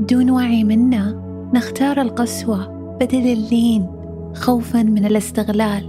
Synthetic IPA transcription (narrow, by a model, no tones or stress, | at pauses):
bɪd̪uːnwaːʕimɪnːa | nɪxt̪ɑːɾˤɪlqɑswa | b̥ad̪alɪlːiːn | xawfanmɪnɪlɪst̪ɪɣlaːl